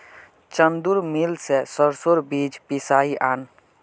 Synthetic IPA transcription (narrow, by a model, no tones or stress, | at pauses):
t͡ʃənd̪uɾmilsesəɾsoɾbid͡ʒpisaiʔaːn